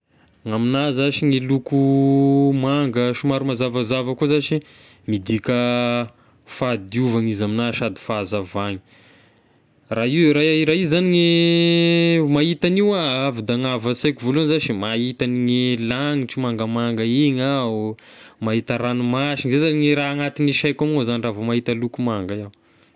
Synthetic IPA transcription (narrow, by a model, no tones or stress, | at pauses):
ŋaminazaʃiŋeluku | maŋɡəʃumaɾumazavazavəkuzat͡ʃi | mid̪ikə | fad̪iuvaŋizaminaʃad̪i̥fazavaŋi̥ | raiwɾaaiɾaizaniŋe | maɦit̪aniwaavid̪aŋavət͡sejkivolunzat͡ʃimaɦit̪aniŋelaŋiʈ͡ʂimaŋɡəmaŋɡəiɲau | maɦit̪aɾanumaʃiŋzezaniŋeɾaaŋat̪iniʃajkamŋozaniravamaɦit̪alukumaŋɡaa